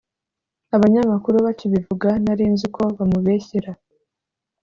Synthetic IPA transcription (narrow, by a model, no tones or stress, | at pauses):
aβaɲamakuɾuβat͡ʃiβivuɡanaɾiːnzikʰo̞βamuβe̞ːçiɾa